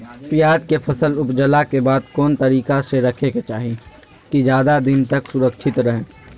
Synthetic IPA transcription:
pjaːd͡ʒ̪kepʰɐsəlʊpd͡ʒəlakebaːd̪kɔːnt̪ɐɾiːkaseɾɐkʰeket͡ʃaːɦi | kid͡ʒjaːd̪ad̪ɪnt̪ɐksʊɾəkʃʰɪt̪ɾɐɦe

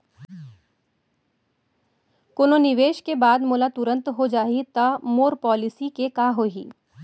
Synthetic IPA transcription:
koːnonɪʋeːʃkebaːd̪moːlat̪ʊɾə̃nt̪ɦod͡ʒaːit̪ɐmoːɾpɔːlɪsikekaːɦoːɦḭː

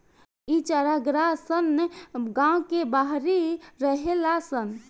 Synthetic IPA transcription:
it͡ʃaɾaɡɾasənɡãwkebaɦɾiɾəɦelasən

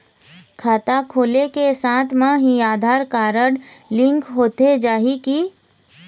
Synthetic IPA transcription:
kʰaːt̪akʰoːlekesãːt̪ʰmãɦiaːd̪ʱaːɾkaːɾəɽlɪ̃ŋkɦoːt̪ed͡ʒaːɦiki

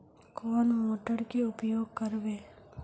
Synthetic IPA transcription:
koːnmoːʈəɾkeʊpjoːɡ̚kəɾʋeː

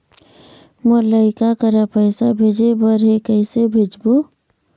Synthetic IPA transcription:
mələɪkakəɾapəɪsabʱed͡ʒebəɾɦekəɪsebʱed͡ʒbo

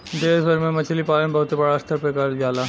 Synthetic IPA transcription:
d̪eːsbʱɐɾmẽmɐt͡ʃʰlipaːlənbɐɦʊt̪ebɐɽaɐst̪ʰəɾpɾɐkaːɾjjaːlaː

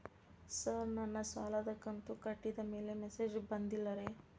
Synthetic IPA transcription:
sɐɾnɐnːɐsa̰ːlɐd̪ɐkːɐnt̪ukɐʈːid̪ɐme̞ːle̞mesed͡ʒbɐnd̪ilːɐɾe

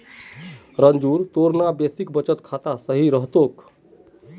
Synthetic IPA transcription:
ɾənd͡ʒuːɾt̪oɾnabesikbət͡ʃət̪kʰat̪asəɦiɾəɦt̪ok

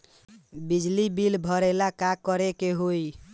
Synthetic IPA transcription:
bid͡ʒlibilbʱəɾɛlakakɔɾekeɦoj

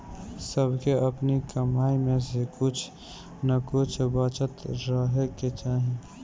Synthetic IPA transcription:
səbʱkeəpnikəmaːimẽsekʊt͡ʃʰ | nəkʊt͡ʃʰbət͡ʃət̪ɾəɦeket͡ʃaːɦi

